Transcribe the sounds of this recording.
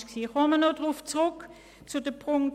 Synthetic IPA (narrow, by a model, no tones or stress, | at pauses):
ʃksiːχɔmənodʁuft͡sʁʊk | t͡sudəpʁʊŋ